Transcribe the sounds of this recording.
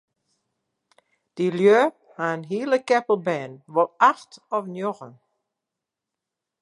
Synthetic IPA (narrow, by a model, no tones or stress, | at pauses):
d̥iljø | haənɦiːləkɛpəl̩ˠbɛːnʋɔlˠaxtɔfnjɔɣən